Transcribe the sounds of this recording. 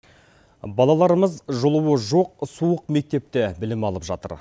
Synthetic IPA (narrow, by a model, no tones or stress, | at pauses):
bɑlˠɑlˠɑɾəməzʒolˠəwəʒo̞q̚suəq̚me̞k̚t̪e̞p̚t̪e̞bɪlɪmɑlˠəpʒɑ̰t̪ə̰ɾ